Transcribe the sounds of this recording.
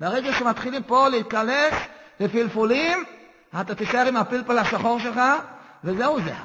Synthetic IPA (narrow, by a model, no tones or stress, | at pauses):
baʁeɡaʃemat̪χilimpo̞leit̪̚kaneslefilfulim | at̪at̪iʃaeʁimapilpalaʃaχo̞ʁʃelχa | vezeuzḛ